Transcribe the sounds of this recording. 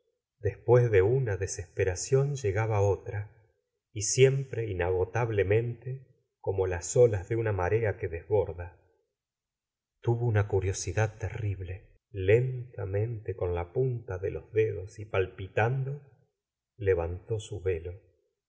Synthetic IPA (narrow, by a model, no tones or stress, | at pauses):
d̪espwe̞zðeunaðesespeɾasjo̞nʒeɣaβaot̪ɾa | isje̞mpɾeinaɣo̞t̪aβlemẽ̞nt̪e | ko̞molaso̞lazðeunamaɾeakeðezβo̞ɾða | t̪uβounakuɾjo̞siðað̚t̪eriβle̞ | lent̪amẽ̞nt̪eko̞nlapunt̪aðelozðeðo̞sipalpit̪and̪o̞ | leβant̪o̞suβe̞lo̞